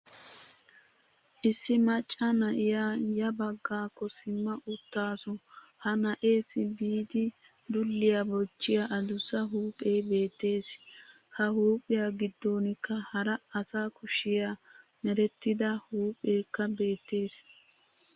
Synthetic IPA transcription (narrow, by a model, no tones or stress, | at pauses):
ʔɪsːɪmɐt͡ʃʼːɐnɐʔɪjaːjɐbɐɡːaːkːɔsɪmːɐʔʊt̪ːaːsɔ | hɐnɐʔe̞ːsːɪbiːd̪ɪd̪ʊlːɪjabɔt͡ʃːɪjaʔɐd̪ʊsɐɦuːpʼejbe̞ːt̪ːe̞ːs | hɐhuːpʼɪjaːɡɪd̪ːo̞ːnɪkːɐhɐɾɐɐsaːkʊʃɪja | nɛɾɛt̪ːɪd̪ɐhuːpʼeːkːɐbe̞ːt̪ːe̞ːs